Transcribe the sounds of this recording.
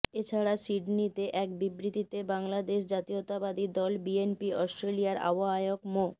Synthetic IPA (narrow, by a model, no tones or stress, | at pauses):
et͡ɕʰaɾasiɖnit̪eʔɛk̚bibɾit̪it̪ebaŋlad̪eʃ̬d͡ʑat̪iot̪abad̪id̪ɔlbienpiɔsʈɾelijaɾa̰baɦajokmo